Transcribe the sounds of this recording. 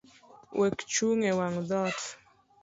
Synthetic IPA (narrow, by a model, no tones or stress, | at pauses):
wʔɛkt͡ʃuŋɛwaŋðɔt